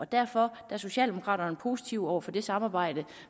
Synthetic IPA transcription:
ɒ̽d̥æɐfɒ̽d̥æɐso̝ɕɛ̰ːld̥emo̝kʰʁɑ̰̈ːɾ̥ɐnəpʰo̝ːsi̥t͡sʰiʊ̰ɒʊɐfɒ̽d̥e̝sɑ̈mɑ̈ːb̥ɑ̈ɪ̰d̥ə

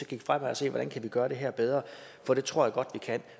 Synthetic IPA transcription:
ɒɡ̥iɡ̥fʁamɑ̈ɪɒ̽se̝̰ːʋɒɾænkʰæʋiɡ̥ɶːɐɾ̥eɦɛɐb̥eð̞ˠʁɐ | fɒ̽ɾ̥e̝t͡sʰʁo̝ɐ̰jäɡ̥ɒ̽d̥ʋikʰæn̰

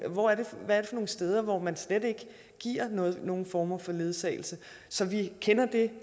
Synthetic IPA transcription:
ʋɒæɐde̝ʋæɐɾe̝fɒ̽no̝ːn̩sd̥eːð̞ˠɐʋɒmænslede̝ɡ̥ə | ɡ̥iɐ̰nɔ̽ːð̩ˠno̝ːn̩fɒːmɐfɒ̽le̝ð̞ˠsɛ̰ːɪl̩sə | sɒ̽ʋikʰenɐd̥e̝

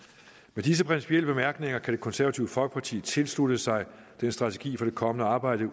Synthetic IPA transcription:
med̥is̬əpʰʁinsi̥pʰiel̰əb̥e̝mæɐɡ̥ne̝ŋɐkʰæɾ̥e̝kʰɒ̽nsæɐʋæt͡sʰiːʊəfɒ̽lɡ̥əpʰɑ̈t͡sʰḭːt͡sʰe̝lsludəsɑ̈ɪ | d̥ensd̥ʁɑ̈t͡sʰe̝̥ɡ̥ḭːfɒd̥e̝kʰɒ̽mənəɑ̈ːb̥ɑ̈ɪ̰d̥ə

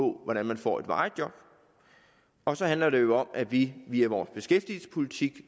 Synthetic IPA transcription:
ɔ̰̽ʋɒɾ̥ænmænfɒ̰ːe̝d̥ʋɑ̥̈ːd̥jɒ̽b̥ | ɒ̽sɒ̽hænlɐɾe̝jo̝ɒ̽m̰æʋiʋiæʋɒːsb̥e̝sɡ̥efd̥iːl̩sə̥pʰo̝lit͡sʰiɡ̥

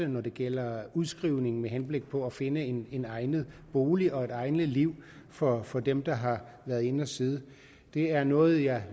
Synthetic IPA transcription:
ənɒd̥e̝ɡ̥el̰ɐuðˠsɡ̥ʁiʊ̰ne̝ŋ̩meɦenb̥le̝ɡ̥̚pʰɒ̽æfe̝nəene̝nɑ̈ɪnð̩ˠb̥o̝ːliʔɒ̽e̝ɾ̥ɑ̈ɪnəliʊ̰ | fɒ̽fɒ̽d̥emd̥ɑ̈ɦɑ̈ | ʋæːɐð̩ˠe̝nɒsiːð̞ˠ | d̥e̝æɐnɔ̽ːð̩ˠjɑ̈ɪ

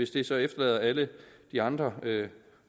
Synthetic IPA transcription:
e̝sd̥e̝sɒ̽efd̥ɐlɛ̰ːðˠɐæləd̥iɑ̈nd̥ʁɐø

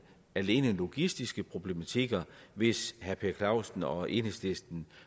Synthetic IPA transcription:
æle̝ːnəlo̝ɡ̥isd̥isɡ̥əpʰʁo̝b̥le̝mæt͡sʰeɡ̥ɐʋe̝shæɐpʰeɐkʰlɑ̈ʊsn̩ɒ̽ʔe̝nəsd̥esd̥n̩

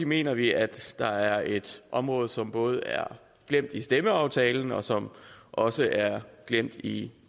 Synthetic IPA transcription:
ime̝̰ːnɐʋiæd̥ːɑ̈æɐe̝d̥ʔɒ̽mʁɔ̽ːð̩ˠsɒ̽mb̥ɔ̽ːð̞̩ˠæɐ | ɡ̥lem̰d̥isd̥eməɑ̈ʊt͡sʰɛːln̩ɒ̽sɒ̽mʔɒ̽səʔæɐɡ̥lem̰d̥i

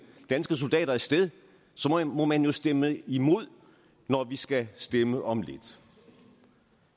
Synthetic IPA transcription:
d̥ænsɡ̥əs̬o̝ld̥ɛ̰ːɾ̥ɐæɐsd̥eðˠ | sɒ̽mɒ̽mænjo̝sd̥eməimo̝ð̞̰ˠ | nɒʋisɡ̥æsd̥eməʔɒ̽mle̝d̥

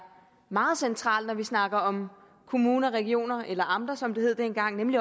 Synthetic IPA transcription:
mɑ̈ːð̞̩ˠsent͡sʰʁɑ̰̈ːld̥nɒʋisnɑ̈ɡ̥ɐɒ̽m | kʰo̝muːnɐʁɛɡ̥io̝̰ːnɐʔelɐʔɑ̈md̥ɐsɒ̽md̥e̝he̝ð̞̰ˠd̥enɡ̥ɑ̈ŋ̰nemli

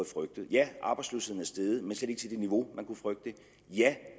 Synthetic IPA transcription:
ð̩ˠfʁœɡ̥̚d̥ð̩ˠjæʔɑ̈ːb̥ɑ̈ɪdsløːshe̝̰n̩æɐsd̥eð̩ˠmensleɾ̥eɡ̥ət͡sʰe̝d̥e̝niʋo̝mænkʰufʁœɡ̥d̥ə | jæ

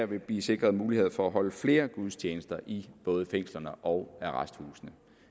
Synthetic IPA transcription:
æɐ̰ʋe̝b̥liːse̝ɡ̥ʁɐð̞̩ˠmuːlihe̝ð̰ˠfɒ̽æɦɒ̽ləfle̝ːɐɡ̥uð̞ˠst͡ɕʰeːnəsd̥ɐʔib̥ɔ̽ːð̞̩ˠəfeŋ̰slɐnəʔɒʊæʁasd̥huːsnə

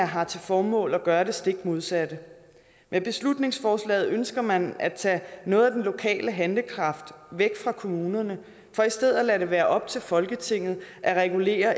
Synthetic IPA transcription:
ɦɑ̈t͡sʰe̝fɒːmɔ̰̽ːlæɡ̥ɶːɐɾe̝sd̥e̝ɡ̥̚mo̝ð̞ˠsæd̥ə | mʔeb̥e̝slud̥ne̝ŋsfɒːslɛ̰ːð̩ˠønsɡ̥ɐmænæt͡sʰɛ̰ːnɔ̽ːð̩ˠæd̥enlo̝kʰɛ̰ːləɦænləkʰʁɑ̈fd̥ʋeɡ̥fʁɑ̈kʰo̝muːnɐnə | fɒ̽isd̥eð̞̰ˠælæɾe̝ʋæːɐʔɒ̽b̥̚t͡sʰe̝lfɒ̽lɡ̥ət͡sʰe̝ŋ̰ð̩ˠʔæʁɛɡ̥ule̝̰ːɐ

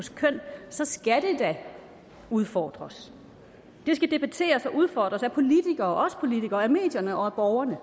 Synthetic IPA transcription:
oskʰœn̰sɒ̽sɡ̥æd̥e̝d̥æ | uð̞ˠfɒ̰ːd̥ʁɐs | d̥e̝sɡ̥æd̥e̝b̥æt͡sʰe̝̰ːɐsɒ̽ʔuð̞ˠfɒːd̥ʁɐsæpʰo̝lit͡sʰiɡ̥ɐːʔɒ̽sə̥pʰo̝lit͡sʰiɡ̥ɐːæme̝̰ːd̥jɐnəʔɒ̽æb̥ɒʊɐnə

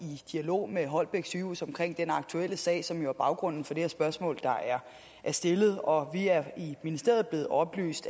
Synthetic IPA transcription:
id̥iælo̝̰ːmeɦɒ̽l̰b̥eɡ̥syusɒ̽mkʰʁeŋ̰d̥enɑ̈ɡ̥̚t͡sʰuel̰əsɛ̰ːɪsɒ̽mjo̝æɐbɑ̈ʊɡ̥ʁɔ̽n̰n̩fɒ̽d̥e̝heɐsb̥ɶɐsmɔ̰̽ːld̥ɑ̈ʔæɐ | ʔæɐsd̥e̝lð̩ˠɒ̽ʋiæɐiminisde̝̰ɐ̰ð̩ˠble̝ːð̩ˠɒ̽b̥ly̰ːsd̥

